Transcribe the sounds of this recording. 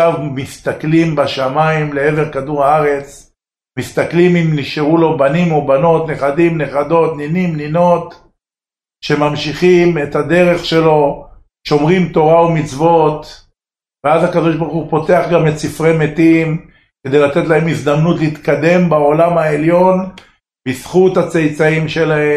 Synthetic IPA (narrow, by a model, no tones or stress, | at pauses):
avmist̪aklimbaʃamaimle̞eveʁkad̪uʁaaʁe̞t͡s | mist̪aklimimniʃeʁulo̞banimobano̞t̪ne̞χad̪imneχad̪o̞t̪ninimnino̞t̪ | ʃe̞mamʃiχime̞t̪had̪e̞ʁe̞χʃe̞lo̞ | ʃo̞mʁimt̪o̞ʁaumit͡svo̞t̪ | veazakad̪o̞ʃbaʁχupo̞te̞aχɡamlet͡sifʁemet̪im | ke̞d̪e̞jlat̪e̞tlae̞mizd̪amnut̪leit̪kad̪e̞mbao̞lamaeljo̞n | bisχut̪at͡sejt͡saimʃe̞lae